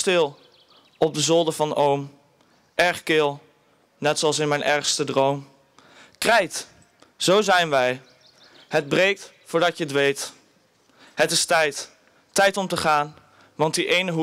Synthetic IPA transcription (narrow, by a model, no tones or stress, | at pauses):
stɪlˠ | ɔb̚dəzɔlˠdəvɑnowm | ʔɛɹχkɪlˠ | nɛtsoɑlˠsɪnmɛjnʔɛɹχstədrowm | krɛjt | z̥owzɛjnʋɛj | ɦəd̚brejk̚t | fʊːɹdɑtətʋejt | ɦətɪstɛjt | tɛjtɔmtəχaːn | ʋɑntdiʔejnəɦu